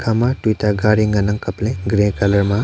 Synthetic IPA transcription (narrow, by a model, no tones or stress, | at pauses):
kʰamatujtaɡaɾiŋɡɐnɐŋkɐpleɡɾẽkɐlɐɾmɐ